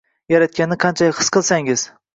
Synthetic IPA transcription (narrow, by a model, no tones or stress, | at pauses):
jaɾat̪̚kʲanɪqʰɑnt͡ʃʰajɪɨ̥sqɨlˠsaŋɪz̥